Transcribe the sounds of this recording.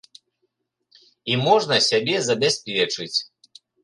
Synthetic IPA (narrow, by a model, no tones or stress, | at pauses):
imɔʐnɐsʲabʲɛzɐbʲasʲpʲɛt͡ʂɨt͡sʲ